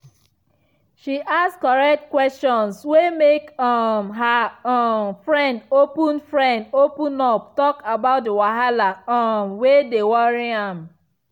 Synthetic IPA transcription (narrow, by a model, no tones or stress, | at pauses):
ʃiʔaskɔɹɛk̚tkwɛstɔ̃nswemekamɦa | fɹɛ̃ndopũnfɹɛ̃ndopũnɔp̚tɔkabaʊt̚dewaɦalaamwedewɔɹiãm